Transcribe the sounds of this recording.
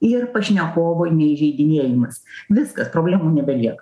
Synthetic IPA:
ɪrpɐʃʲnʲɛkoːʋoːnʲɛɪʒʲɛɪd̪ʲɪnʲiɛjɪmɐsʋʲɪskɐspɾoːbʲlʲæːmuːnʲɛbʲɛlʲiɛk

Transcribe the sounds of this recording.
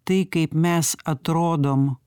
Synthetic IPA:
t̪ɐɪkɐɪpmʲɛsɐt̪ɾoːd̪oːm

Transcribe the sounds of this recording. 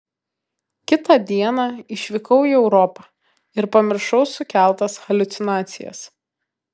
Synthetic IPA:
kʲɪt̪ɑd̪ʲiɛnɑːɪʃʲʋʲɪkɐʊiːɛʊɾɔpɑː | ɪɾpɐmʲɪɾʃɒʊsʊkʲæˑlˠt̪ɐsxɐlʲʊt̪sʲɪnɑːt̪sʲɪjɛ̰s

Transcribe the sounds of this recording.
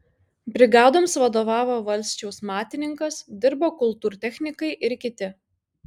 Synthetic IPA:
bʲɾʲɪɡɑːd̪oːmsʋɐd̪oːʋɑːʋoːʋɐlʲsʲt͡ʃʲɛʊsmɑːt̪ʲɪnʲɪŋkɐsd̪ʲɪɾboːkʊlˠt̪uːɾt̪ʲɛxʲnʲɪkɐɪʔɪɾkʲɪt̪ʲɪ

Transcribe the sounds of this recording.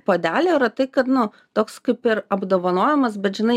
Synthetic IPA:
poːd̪ʲæːlʲoiɾɐt̪ɐɪkɐt̪nʊ | t̪oːkskɐɪpɪrɐbd̪oːʋɐnoːjɛmɐsbʲɛt̪ʒʲɪnɐɪ

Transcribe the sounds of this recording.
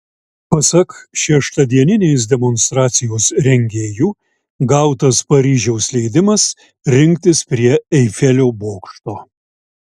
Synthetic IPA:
pɐsɐkʃʲɛʃt̪ɐd̪ʲiɛnʲɪnʲeːs̬d̪ʲɛmɔnst̪ɾɑːt̪sʲɪjoːsɾʲɛŋʲɡʲeːjuː | ɡɐˑʊt̪ɐspɐɾʲiːʒʲɛʊslʲɛɪd̪ʲɪmɐs | ɾʲɪŋʲkt̪ʲɪspʲɾʲiɛɛɪfʲɛlʲoːboːkʃt̪oː

